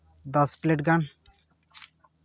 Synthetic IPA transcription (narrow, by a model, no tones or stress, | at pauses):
d̪ɔspleʈɡan